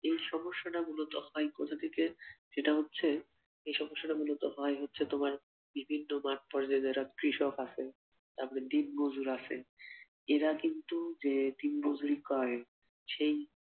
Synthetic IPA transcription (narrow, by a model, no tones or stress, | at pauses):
ejʃɔmoʃːaʈamulot̪ohɔekot̪ʰad̪iked͡ʑeʈaɦotːɕʰe | ejʃɔmoʃːaʈamulot̪oɦɔeɦotːɕʰet̪omaɾ | bibʱinːomaʈ̚pɔɾd͡ʑaed̪eɾakɾiʃokat͡ɕʰe | t̪apoɽed̪inbod͡ʑuɾat͡ɕʰḛ | eɾakint̪ud͡ʑed̪inbod͡ʑuɾikɔe | ʃej